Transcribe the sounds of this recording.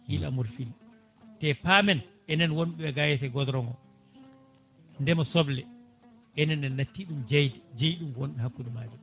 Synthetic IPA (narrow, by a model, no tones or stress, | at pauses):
hila̰muɾfil | tɛpaːmɛnʔɛnɛnwonɗuɛɡajɛtɛɡɔdɾɔŋɡɔ | ndɛmɔsɔblɛ | ʔɛnɛnɛnːatːiɗumd͡ʒejtd͡ʒejɗumwonɗɛhakːuɗumaːd͡ʒɛm